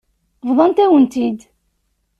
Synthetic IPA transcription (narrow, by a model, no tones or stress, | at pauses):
vðˤɑnt̪æwənt̪id̪